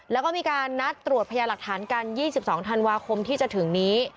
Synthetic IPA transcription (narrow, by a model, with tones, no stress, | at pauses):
lɛː˦˥wkɔː˥˩miː˧kaː˧nːa˦˥t̪ːɾu˨˩ət̪̚pʰa˧jaː˧la˨˩k̚t̪ʰaː˩˦nka˧njiː˥˩si˨˩p̚sɔː˩˦ŋt̪ʰa˧nwaː˧kʰo˧mt̪ʰiː˥˩t͡ɕa˨˩t̪ʰɯ˩˦ŋniː˦˥